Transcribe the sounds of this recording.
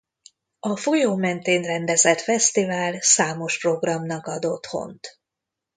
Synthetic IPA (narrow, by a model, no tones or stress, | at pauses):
ɒfojoːmɛnt̪eːnrɛnd̪ɛzɛt̪fɛst̪ivaːlsaːmo̞ʃpro̞ɡrɒmnɒkɒd̪o̞t̪ho̞̰nt̪